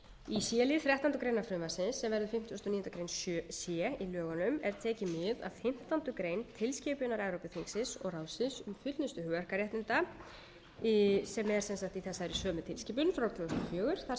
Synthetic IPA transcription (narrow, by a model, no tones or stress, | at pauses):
isjɛlɪθɾjɛht̪ant̪ʏkɾejnaɾfɾʏːmasɪnsːɛmvɛɾðʏ̥fɪm̥t̪jɔst̪ɔniːɔnakɾejnssjɛilœːɣɔnʏmɛɾ̥t̪ʰɛːcɪmɪða̰ðfɪm̥t̪ant̪ʏkɾeːjnt̪ʰɪlscɪːpʏnaɾajɾowpɪθiŋsɪnsɔɣraːwsɪnsʏmfʏt̪nʏst̪ʏhʏːar̥kaɾrjɛht̪nɪnt̪a | sɛmɛɾ̥sɛnsaht̪iθɛsːaɛɾisœːmʏt̪ʰɪlscɪːp̬ʏnfɾawlt̪ʰmast̪ɔfjœːɣʏɾ̥θa